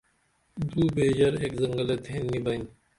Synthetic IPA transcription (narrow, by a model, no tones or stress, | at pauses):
d̪uːbeːʑɐɾeːkzɐŋɡɐlɐd̪ʱeːnːibɐnʲ